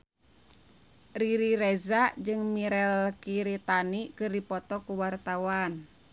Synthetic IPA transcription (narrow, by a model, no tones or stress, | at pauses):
riɾiɾɛzaʔd͡ʒɨŋmiɾɛlkiɾit̪anikɨrdipɔt̪ɔkuwart̪awan